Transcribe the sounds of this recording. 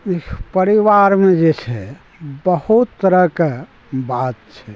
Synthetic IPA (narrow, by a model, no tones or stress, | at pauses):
ikpəɾiʋaɾmed͡ʒet͡ʃʰɛ | bəhut̪t̪ːəɾəke | bat̪̚t͡ʃʰɛ